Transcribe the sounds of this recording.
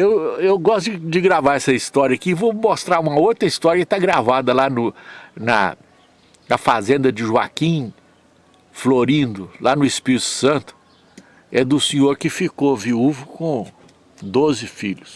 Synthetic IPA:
ewewɡɔst̪ʊɪd͡ʒɪɡɾavaɾɛsɐist̪ɔɾiɐakiːvomost̪ɾaɾũmɐowt̪ɾɐist̪ɔɾjɐkɪt̪aɡɾavad̪ɐlanʊnɐ̰ | nɐfazẽnd̪ɐd͡ʒɪʒua̰kĩ | floɾĩd̪ʊlanʊispiɾit̪ʊ̥sɐ̃t̪ʊ̥ | ɛd̪ʊsĩɲoɾkɪfikoviuvʊkõ | d̪ozɪfiʎʊs

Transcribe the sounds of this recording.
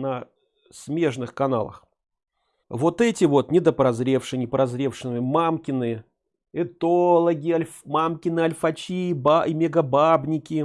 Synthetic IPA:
nɐ | sʲmʲe̞ʐnɨxkɐna̰lˠə̰x | vo̞t̪ɛtʲɪvo̞t̪nʲɪd̪əpɾɐzɾʲe̞fʂɨnʲɪpɾɐzɾʲe̞fʂɨnɨmʲɪmamkʲɪnɨə | ɛt̪olˠəɡʲɪɐlʲmamkʲɪnɨɐlʲfɐt͡ɕibaɪmʲɪɡɐbabnʲɪkʲɪ

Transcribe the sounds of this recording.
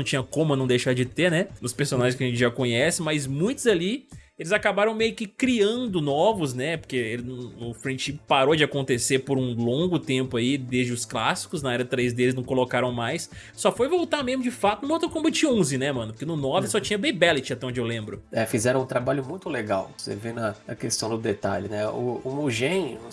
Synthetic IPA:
ɐ̃w̃t͡ʃĩɲ̃ɐkõmʊnɐ̃w̃d̪ejʃaɾd͡ʒɪt̪eɾnɛnʊspeɾsonaʒẽskɪɐʒẽt͡ʃɪʒakõɲɛsɪmɐzmũj̃t̪ʊzali | elɪzakabaɾɐ̃w̃mejʊkɪkɾiɐ̃nd̪ʊnɔvʊznɛpoɾkeelɪñʊfɾẽʃipaɾod͡ʒɪakõnt̪esepoɾũlõŋɡʊt̪ẽmpʊaid̪ezd͡ʒɪʊsklasi̥kʊznɐɛɾɐt̪ɾezd̪elɪznɐ̃w̃kolokaɾɐ̃w̃majs | sɔfojvowt̪amezmʊd͡ʒɪfat̪ʊñmot̪õkõbt͡ʃĩɲɐõzɪnɛmɐ̃nʊpoɾkenʊnɔvɪsɔt͡ʃĩɲɐbejbɛlɪt͡ʃɪat̪ɛõd͡ʒɪewlẽmbɾʊɛfizɛɾɐ̃ũt̪ɾabaʎʊmũj̃t̪ʊleɡawsḛvenɐɐkest̪ɐ̃w̃d̪ʊd̪et̪a̰ʎʊnɛʊ̰omoʒẽnʊ

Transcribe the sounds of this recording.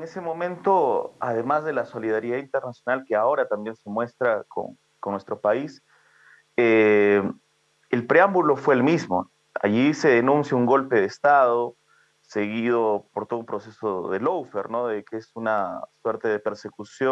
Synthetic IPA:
eŋesemõ̞mẽ̞nt̪o̞a̰ðe̞mazðe̞laso̞liðaɾiðaint̪e̞ɾnasjo̞nalkeao̞ɾat̪ambje̞nse̞mwe̞st̪ɾako̰ŋ | koŋnwe̞st̪ɾo̞pais | e | elpɾeambulo̞fwe̞ːlmizmo | a̰ʝise̞ðe̞nũnsjauŋɡo̞lpe̞ðest̪aðo | se̞ɣiðo̞poɾt̪oðumpɾo̞sesoðḛlowfeɾno̞ðekeesunaswe̞ɾt̪e̞ðepe̞ɾse̞kusjo

